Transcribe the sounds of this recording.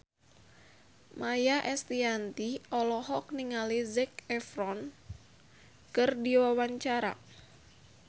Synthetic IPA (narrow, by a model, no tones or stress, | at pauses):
mʔajaʔɛst̪iant̪iɔlɔɦɔk̚niŋalizɛkɛfɾɔn | kɨrdiwawaɲt͡ʃaɾa̰